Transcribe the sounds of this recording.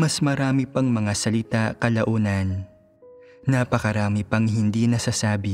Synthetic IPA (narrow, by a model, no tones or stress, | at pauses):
mɐsmɐɾaːmipɐŋmɐŋasɐlɪt̪akɐlɐʔuːnɐn | apɐkɐɾaːmɪpɐŋɦɪnd̪inɐsasaːbɪ